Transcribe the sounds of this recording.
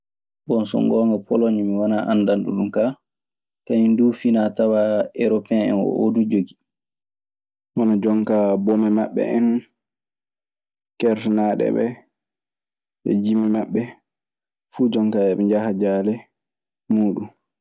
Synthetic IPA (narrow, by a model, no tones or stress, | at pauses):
bɔnsɔ̰ŋɡɔːŋɡapɔlɔɲumiwanaʔanːdanɗṵɗumka | kaɲindufinatawaʔɛɾɔpɛnɛ̰nɔ̰ʔo̰dud͡ʒoɡi | ʔɔnɔd͡ʒɔŋkabɔmɛmaɓːɛ̰ʔɛn | kɛɾtɛnaːɗɛ̰ɓɛ̰ | ɓɛ̰d͡ʒimːɛmaɓːɛ | fuːd͡ʒɔŋkaɛɓɛd͡ʒahad͡ʒaːlɛ | muːɗum